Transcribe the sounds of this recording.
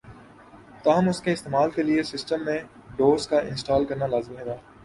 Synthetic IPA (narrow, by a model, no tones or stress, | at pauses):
t̪aːɦəmʊskeɪst̪eːmaːlkeliesɪsʈəmːẽ | ɖoːzkaɪ̃nsʈaːlkɐɾnalaːzɪmɦeːɡaː